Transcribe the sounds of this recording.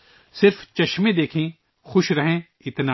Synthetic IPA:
sɪɾft͡ʃɐʃmẽd̪eːkʰẽ | xʊʃɾɐɦẽ | ɪt̪na

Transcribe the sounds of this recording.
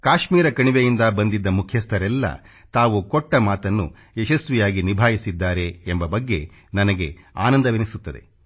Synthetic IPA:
kaːʃmiːɾɐkɐɳiʋejind̪ɐbɐnd̪id̪ːɐmukʰjɐst̪ʰɐɾɛlːɐ̰ | t̪aːʋukɔʈːɐmaːt̪ɐnːṵ | ɛʃɐsʋijaːɡinibʱaːjisid̪ːaːɾe̞ːmbɐbɐɡːe̞ | nɐnɐɡe̞aːnɐnd̪ɐʋinisut̪ːɐd̪e̞̰

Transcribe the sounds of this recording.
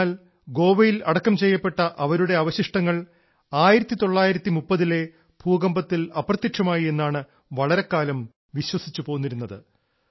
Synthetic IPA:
l | ɡo̞ːʋɐjilɐɽɐkːɐmt͡ɕe̞jːɐpːe̞ʈːɐʔɐʋɐɾuɽe̞ɐʋɐɕiʂʈɐŋːɐɭ | aːjiɾɐt̪ːit̪o̞ɭːaːjiɾɐt̪ːimupːɐðile̞ | b̥ʱuːɡɐmbɐt̪ːilɐprɐt̪ːjiʈʂɐmaːjie̞nːaːɳɨ | ʋɐɭɐɾe̞kːaːlɐm | ʋiɕwɐsi̥t͡ɕːupoːunːiɾunːɐðɨ̰

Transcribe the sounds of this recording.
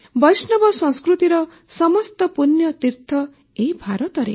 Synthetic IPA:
bʌjsnʌbɔsʌ̃ŋskɾut̪iɾʌ | sʌmɔst̪ɔpunjʌt̪iɾt̪ʰʌ | ejbʱaɾɔt̪ʌɾḛ

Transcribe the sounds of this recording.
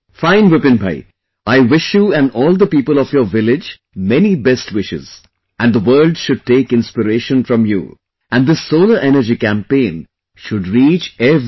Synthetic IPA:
fãɪ̃nʋɪpɪ̃nba̰ɪ | aɪʋɪʃjuæ̃nɔːlˠd̪əpiːpəlɔfjəːʋɪlɪd͡ʒ | mɛnibɛsʈʋɪʃɪ̰z | ʔæ̃nd̪əwəːlɖʃʊɖ̚ʈeːkɪ̃nspɪɾeːʃə̃nfɾʌ̃mjṵ | æ̃nd̪ɪsoːləɾʔɛnəɾd͡ʒikæ̃mpẽɪ̃n | ʃʊɖɾiːt͡ʃɛv

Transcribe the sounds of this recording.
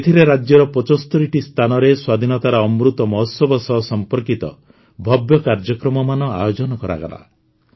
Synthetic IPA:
et̪ʰiɾeɾad͡ʒjɔɾɔpɔt͡ʃɔst̪ʰɔɾiʈist̪ʰanɔɾeswad̪ʱinɔt̪aɾɔːmɾut̪ɔmɔɦɔt̪sɔbʱɔsɔɦɔsɔmpɔɾkit̪ɔ̰ | bʱɔbjɔkaɾd͡ʒɔkɾɔmɔmanɔa̰jod͡ʒɔnɔkɔɾa̰ɡa̰la̰

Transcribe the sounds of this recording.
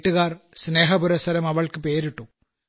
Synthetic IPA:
ʈːuɣaːrsne̞ːɦɐpuɾɐsɐɾɐmɐʋɐɭkɨpe̞ːɾiʈːu

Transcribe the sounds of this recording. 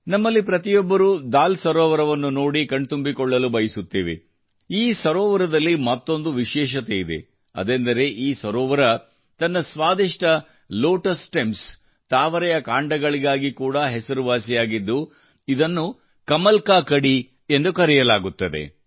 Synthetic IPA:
nɐmːɐlːipɾɐt̪ijɔbːɐɾud̪aːlsɐɾɔːʋɐɾɐʋɐnːuno̞ːɽikɐɳɖt̪umbikɔɭːɐlubɐjisut̪ːiːʋḛ | iːsɐɾɔːʋɐɾɐd̪ɐlːimɐt̪ːo̞nd̪uʋiʃɛːʃ̬ɐt̪e̞id̪e̞̰ | ɐ̰d̪end̪ɐɾe̞ʔiːsɐɾɔːʋɐɾɐ | t̪ɐnːɐsʋaːd̪iʂʈɐ | loːʈɐsʈems | t̪aːʋɐɾɛjɐkaːɳɖɐɡɐɭiɡaːɡikuːɽɐɦɛsɐɾuʋaːsijaːɡid̪ːu | id̪ɐnːu | kɐmɐlkaːkɐɽi | end̪ukɐɾijɐlaːɡut̪ːɐd̪e̞̰

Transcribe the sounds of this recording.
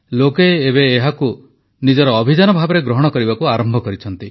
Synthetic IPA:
lokeːβeːɦaku | nid͡ʒɔɾɔːbʱid͡ʒanɔbʱabɔɾeɡɾɔɦɔɽ̃ɔkɔɾibakuaɾɔmbʱɔkɔɾit͡ʃʰɔnt̪i

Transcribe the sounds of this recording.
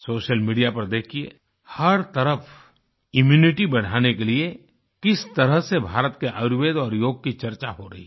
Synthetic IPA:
soːʃəlmiːɖijapɐɾd̪eːkʰːiḛ | hɐɾt̪ɐɾəf | ɪmjuːnɪʈibɐɽ̤aːnekelie | kɪst̪ɐɾəɦsebʱaːɾət̪keʔəʋeːd̪ɔːɾjoːɡ̚kit͡ʃɐɾt͡ʃaɦoɾɐɦḭ

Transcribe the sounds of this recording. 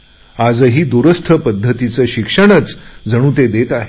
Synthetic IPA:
ad͡zəɦiːd̪uɾəst̪ʰəpəd̪ʱːət̪it͡səɕikʂəɳ̃ət͡sd͡zəɽ̃uːt̪̬ed̪et̪aɦe

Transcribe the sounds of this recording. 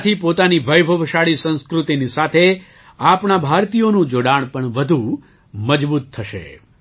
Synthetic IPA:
t̪ʰipot̪aniʋəjbʱəʋʃaɭisə̃ñskɾut̪inisat̪ʰe | apɳabʱaɾt̪ijonũd͡ʒoɽaɽ̃pəɳʋəd̪ʱũ | məd͡ʒbut̪ʰːəʃḛ

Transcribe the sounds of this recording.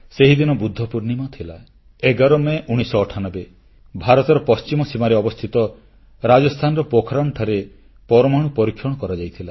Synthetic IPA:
seɦid̪inɔbud̪ʱːɔpuɾnimat̪ʰila̰ | eɡaɾɔmeʔuɽ̃isɔːʈʰanɔbe | bʱaɾɔt̪ɔɾɔpɔst͡ʃimɔsimaɾeɔbɔst̪ʰit̪ɔ | ɾad͡ʒɔst̪ʰanɔɾɔpokʰɾaɳʈʰaɾe | pɔɾɔmaɽ̃upɔɾikʰːjɔɽ̃ɔkɔɾad͡ʒajt̪ʰila

